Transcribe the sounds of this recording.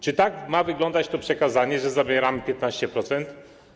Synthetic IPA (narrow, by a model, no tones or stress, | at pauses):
t͡ʃit̪akmaviɡlˠɔnd̪aʃt̪opʃɛkazanʲiɛʒɛzabɛɾampʲɛt̪nasʲt̪ɛpɾɔt̪sɛnt̪